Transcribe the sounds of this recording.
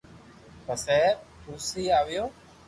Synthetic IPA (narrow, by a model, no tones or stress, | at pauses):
pəsɛːpʊːsiːaːʋɪjoː